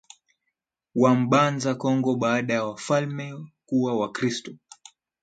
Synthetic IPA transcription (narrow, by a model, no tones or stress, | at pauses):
wam̩ɓanzakɔŋɡɔɓaːɗajawafalmɛkuwawakɾistɔ